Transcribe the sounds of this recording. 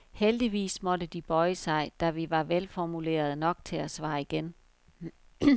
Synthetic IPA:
held̥iʋḭːsmɒ̽dəd̥ib̥ɒ̽ɪəsɑ̈ɪd̥æʋiʋɑ̈ʋelfɒmule̝̰ːɐð̞ˠnɒ̽ɡ̥t͡sʰe̝æsʋɑ̰̈ːiɡ̥en

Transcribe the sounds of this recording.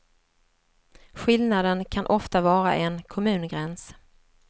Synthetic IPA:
ɧɪlnad̪ənkʰanʔɔft̪avɑːɾa̰ʔɛnkʰɔmʉ̟ːnɡɾɛns

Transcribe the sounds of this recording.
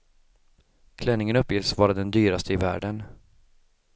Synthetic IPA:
kʰlɛnːɪŋənɵpːjɪsvɑːɾad̪ɛnd̪yːɾast̪ʰəɪvæ̰ːɖən

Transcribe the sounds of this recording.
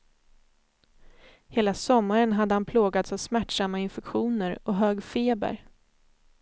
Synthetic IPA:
heːlasɔmːaɾənɦad̪ːəhanpʰloːɡat̪savsmæʈʂamːaɪnfɛkɧuːnəɾɔɦøːɡfeːbə̰ɾ

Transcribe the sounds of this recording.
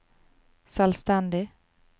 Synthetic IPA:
salst̪and̪ɪ

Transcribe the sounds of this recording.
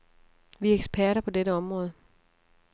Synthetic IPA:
ʋieɡ̥spʰæɐ̰ɾɐpʰɒ̽deɾəɒ̽mʁɔ̽ːð̞ˠə

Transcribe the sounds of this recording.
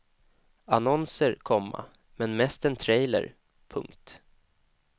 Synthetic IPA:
anɔnsəɾkʰɔmːa̰ | mɛnmɛst̪ɛnt̪ʰɾɛjlə̰ɾ | pʰɵ̰ŋkt̪

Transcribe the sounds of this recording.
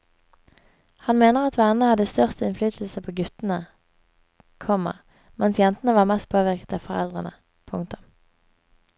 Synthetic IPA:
hɑnmeːnəʁɑt̪ʋæʁnəhɑd̪əst̪œʁst̪əɪnflyːt̪ʰl̩səpʰoːɡʉt̪nə | kʰɔmə̰ʁ | mɛnsjɛnt̪ənəʋɑːʁmɛst̪̚pʰoːʋɪʁkə̥t̪ɑfɔʁɛ̰ld̪ʁənə | pʰʊŋkt̪ʊm

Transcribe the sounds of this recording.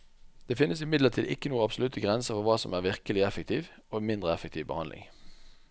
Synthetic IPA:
d̪̥eːfɪnːəsɪmɪd̪lət̪ʰiːd̪ɪ̰kːənuːəɑbsɔlʉt̪əɡʁɛnsəfɔʁʋɑːsɔmæːʁʋɪʁkəlɪɛfəkt̪ʰiːʋoːmɪnd̪ʁəɛfək̚t̪ʰiːʋbə̰hɑnlʔɪ̰ŋ

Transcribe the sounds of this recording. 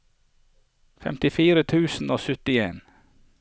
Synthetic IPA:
fɛ̰mt̪ɪfiːɾət̪ʰʉːsn̩oːsʏt̪ɪeːn

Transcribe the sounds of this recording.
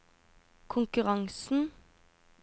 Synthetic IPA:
kʰʊŋkʉʁɑŋsn̩

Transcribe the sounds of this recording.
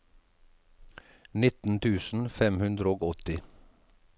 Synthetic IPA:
nɪt̪n̩t̪ʰʉːsn̩fɛmhʉnd̪ɾəoːɡɔt̪ɪ

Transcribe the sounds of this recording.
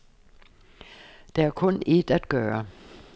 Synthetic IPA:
d̥eæɐkʰɔ̽ne̝d̥æd̥̚ɡ̥œːɐ

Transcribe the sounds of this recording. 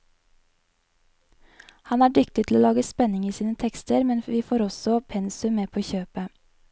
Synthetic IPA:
hɑnæːɖʏkt̪ɪt̪ʰl̩oːlɑːɡəspɛnɪŋiːsiːnət̪ʰɛkst̪əɾmɛnʋiːfoːɾɔsɔpʰɛnsʉmmeːpʰoːçøːpə

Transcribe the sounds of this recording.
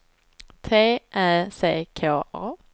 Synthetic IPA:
t̪ʰeːʔæːseːkʰoːʔɑː

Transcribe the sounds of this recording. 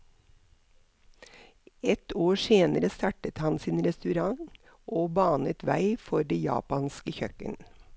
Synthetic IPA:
ɛt̪oːseːnəɾəst̪ɑʈət̪hɑnsiːnɾɛst̪ʉɾɑŋ | ʔoːbɑːnət̪ʋæɪfɔɖeːjɑ̰ːpɑnskəçœkə̰n

